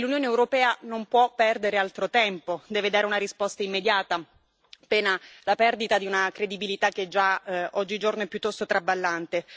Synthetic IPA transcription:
lunjoːneewɾopɛːanompwɔpːɛrd̪eɾealt̪ɾot̪ɛmpod̪ɛːved̪aːɾeunaɾispɔst̪aimːed̪jaːt̪a | pɛːnalapɛrd̪it̪ad̪iunakɾed̪ibilit̪ak̟ːed͡ʒːaɔd͡ʒːid͡ʒornoɛpːjut̪ːɔst̪ot̪ɾabalːant̪e

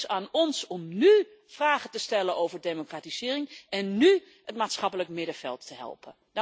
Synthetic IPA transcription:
saːnɔnsɔmny | fraːχətəstɛlənowvəɹdejmokraːtiz̥ɪːrɪŋɛnːy | ətmaːtsχɑpələkmɪdəv̥ɛ̰lˠtʰːəɦɛ̰lˠpʰə

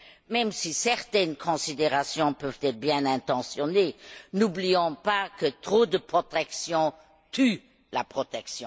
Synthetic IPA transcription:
mɛmsisɛʁt̪ɛnkʰɔ̃sid̪eʁasjɔ̃pœvt̪ɛt̪χəbjɛ̃nɛ̃t̪ɑ̃sjɔnenubliɔ̃pakət̪χod̪əpχɔt̪ɛksjɔ̃ | t̪ʰy | lapχɔt̪ɛksjɔ̃

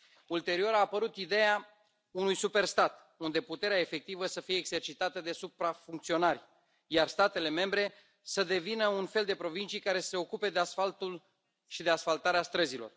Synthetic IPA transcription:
ult̪e̞ɾio̞ɾaːpəɾut̪id̪e̞ja | unujsupe̞rst̪at̪ | und̪e̞put̪e̞ɾeae̞fe̞k̚t̪ivəsəfijeːɡz̥e̞rt͡ʃit̪at̪əd̪e̞supɾafuŋkt̪sio̞narʲ | jarst̪at̪e̞le̞me̞mbɾe̞ | səd̪e̞vinəunfe̞ld̪e̞pɾo̞vint͡ʃijkaɾe̞sə̥se̞o̞kupe̞d̪easfalt̪ul | ʃid̪e̞asfalt̪aɾeast̪ɾəzilo̞̰r

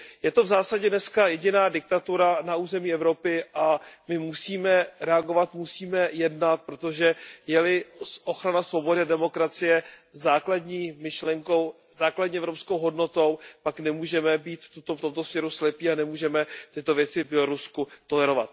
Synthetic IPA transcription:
jɛt̪o̞vzaːsaɟɛdnɛskajɛɟɪnaːdɪk̚t̪at̪uɾanauːzɛmiːɛvɾo̞pɪʔamɪmusiːmɛɾɛaɡo̞vat̪musiːmɛjɛdnat̪̚pɾo̞t̪o̞ʒɛjɛlɪʔo̞xɾanasvo̞bo̞dɪadɛmo̞kɾat͡sɪjɛzaːkladɲiːmɪʃlɛŋko̞w | zaːkladɲiːɛvɾopsko̞wɦo̞dno̞t̪o̞wpaknɛmuːʒɛmɛbiːt̪ft̪ut̪oft̪omt̪o̞smɲɛɾuslɛpiːanɛmuːʒɛmɛt̪ɪt̪o̞vjɛt͡sɪvbjɛloɾuskut̪o̞lɛɾo̞va̰t̪̚

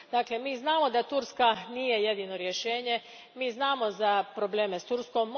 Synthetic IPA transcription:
d̪aːkle̞miːznaːmo̞d̪at̪uɾskaniːje̞je̞d̪ino̞ɾje̞ʃe̞ːɲe̞ | miːznaːmo̞zapɾo̞ble̞ːmest̪uɾsko̞mː

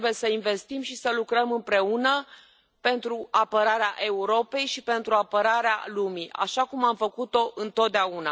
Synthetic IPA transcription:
bujesəinve̞st̪imʃisəlukɾəmɨmpɾe̞unə | pe̞nt̪ɾuapəɾaɾeaʔe̞uɾo̞pe̞jʃipe̞nt̪ɾuapəɾaɾea̰lumia̰ʃakumamfəkut̪o̞ʔɨnt̪o̞t̪̚d̪eauna̰

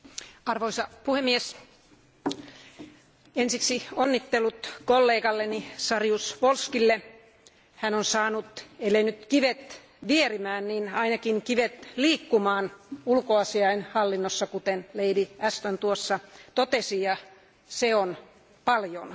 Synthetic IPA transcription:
ɑrʋoisɑpuhemːies | ensiksionːit̪ːelːut̪kolːeːkɑlːenisɑrjusʋolskilːe | hænonsɑːnut̪elenyt̪kiʋet̪ | ʋierimæːnninɑinɑkiŋkiʋet̪liːkːumɑːnulkoɑsiɑinhɑlːinːosːɑkut̪enleidiæst̪ont̪uosːɑt̪ot̪esijɑ | seon | pɑljo̰n

